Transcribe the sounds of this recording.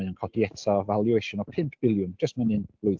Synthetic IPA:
ənkʰɔdiɛtʰavalˠjueʃʊnɔpʰɪmpʰb̥ɪlˠjʊnd͡ʒəstmanɨnlˠʊj

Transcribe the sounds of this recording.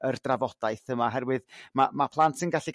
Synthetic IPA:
ərdravɔd̥ajθəmaɦɛrwɨðmamapʰlˠantʰənɡaɬi

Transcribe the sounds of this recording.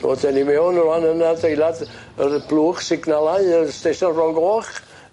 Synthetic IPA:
o̰dɛnimɛwnwanənadejlˠad | ərb̥lˠuːχsɪɡnalˠaɨəstejsɔnrɔŋɡoːχ

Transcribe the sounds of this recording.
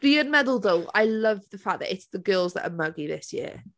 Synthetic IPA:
b̥iə̃nmɛdəl̩ˠdoʊa̰ɪlʌvðəfaðə̰ʔɪtsðəɡɜːlˠzðə̰ʔə̰mʌɡiðɪsjɪ̰ə

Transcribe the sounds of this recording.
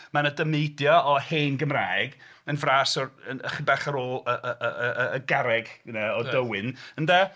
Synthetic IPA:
manədəmejdjaʔɔheːnɡəmraːɡ | ənvraːsɔrənχɪnbaχaɾoːlˠəʔəʔəəəːɡaɾɛɡnɛɔdəwɪnənda

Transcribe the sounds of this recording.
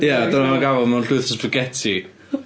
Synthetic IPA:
jadanamaɡavɔmaunɬʊɨθəspʰəɡɛtʰi

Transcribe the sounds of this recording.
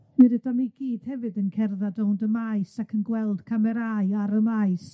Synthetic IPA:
miɾədamiɡ̥iːd̥hɛvɨdənkʰɛrðadondəmaɨsakʰənɡwɛlˠd̥kʰamɛɾaɨaɾəmajs

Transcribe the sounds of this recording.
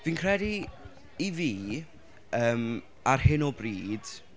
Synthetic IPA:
viːnkʰr̥ɛdiː | viː | əːm | arhɪnɔbriːd̥

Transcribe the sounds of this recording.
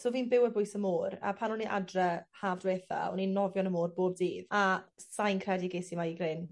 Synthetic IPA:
soːviːnbɪwəbʊɨsəmoːra̰pʰanɔniʔa̰drɛhaːvdweːθa̰ɔ̰ninɔvjɔnəmoːrboːb̚diːðasajnkʰrɛdiɡesimaiɡrɪn

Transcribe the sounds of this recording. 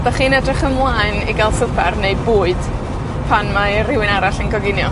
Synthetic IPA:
d̥aχiːnɛdrɪχənlˠaɨniɡalˠsʊpɛrneɨbuːɨd̥ | pʰanmarɪwɪnaɾaɬənɡɔɡɪnjɔ

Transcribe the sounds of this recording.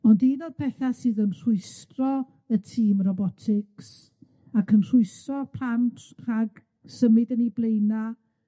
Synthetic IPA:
ɔndiːnod̚pʰɛθasɨːðənr̥ʊɨstrɔ | ətʰiːmrɔbɔtʰɪks | akʰənr̥ʊɨstrɔpʰr̥antʰr̥aɡ | səmɨdəniblˠejna

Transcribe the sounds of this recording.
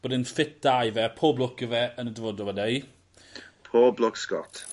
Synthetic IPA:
b̥oːdɪnfɪt̚d̥ajvɛpʰoːblʊkʰəvɛʔənədəvɔːdɔwɛnej | pʰoːblɔkskɔ̰t

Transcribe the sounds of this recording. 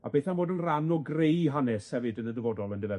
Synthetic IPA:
a̰bɛθanmvoːdənranɔɡrejɦanɛshɛvɨdənədəvɔdɔlˠəndəvɛ

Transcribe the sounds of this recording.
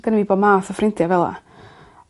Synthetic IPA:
ɡ̥ənviːboːdmaːθɔfrɪntʰjavɛlˠa̰

